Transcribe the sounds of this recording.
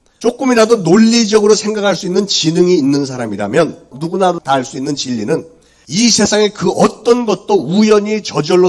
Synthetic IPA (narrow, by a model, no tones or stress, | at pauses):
t͡ɕ͈ok͈ɯmiɾadonoʎːid͡ʑʌɡɯɾosʰe̞ŋɡakʰaɭs͈uinːɯnt͡ɕinɯŋiːnːɯns̬ʰaɾamiɾamjʌnːuɡunadotaɦaɭs͈uinːɯnt͡ɕiʎːinɯn | isʰe̞sʰaŋe̞kɯʔʌt͈ʌnɡʌt̚t͈oujʌɲit͡ɕʌd͡ʑʌɭːo